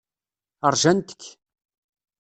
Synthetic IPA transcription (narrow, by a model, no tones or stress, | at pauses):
əɾˤʒænt̪ə̥kː